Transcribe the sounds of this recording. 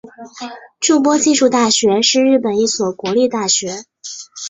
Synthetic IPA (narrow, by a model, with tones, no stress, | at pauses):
ʈ͡ʂu˥˧p̬wɔ˥t͡ɕi˥˧ʂu˥˧t̪a˥˩ɕɥɛ˧˥ʂɻ̩˥˧ɻɻ̩˥˩pə˨˩ni˥˩swɔ˨˩kwɔ˧˥li˥˧t̪a˥˩ɕɥɛ˧˥